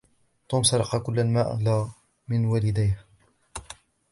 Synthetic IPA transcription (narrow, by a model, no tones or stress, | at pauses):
t̪ˤuːmsɑɾˤɑqɑkʊlːalmaːʔlaː | mɪnwaːlɪd̪ajh